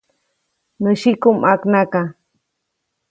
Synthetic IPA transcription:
nɨʃikumaknaka

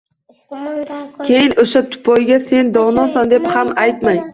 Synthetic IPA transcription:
kʲʰejɪnoʃat̪ʰʊ̥pʰɒjɡʲase̞nd̪ɒʁnɒsand̪e̞phamajt̪maj

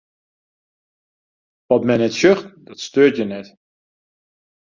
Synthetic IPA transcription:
ʋɔtmɛjnɛtsøxtdɔtstøːtjənɛt

